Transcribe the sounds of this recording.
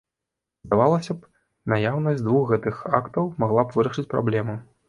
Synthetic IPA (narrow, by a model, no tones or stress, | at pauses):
zd̪avalˠɐsʲɐp | najawnɐd͡zʲd̪vuxɣɛt̪ɨxakt̪ɐwmaɣlˠapvɨɾɐʂɨt͡sʲpɾa̰blʲɛmɐ